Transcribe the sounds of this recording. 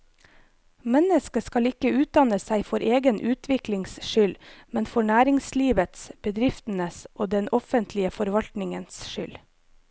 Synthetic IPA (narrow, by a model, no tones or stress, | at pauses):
mɛnəskəskɑlɪkəʉːt̪̚d̪ɑnəsæɪfɔɾʔeːɡənʔʉːt̪ʰʋɪklɪŋsʃʏlmɛnfɔɳæːɾɪŋsliːʋət̪sb̥əd̪ɾɪft̪n̩əsʔoːd̪ɛnɔfənt̪ʰlɪəfɔɾʋɑlt̪nɪŋənsʃʏl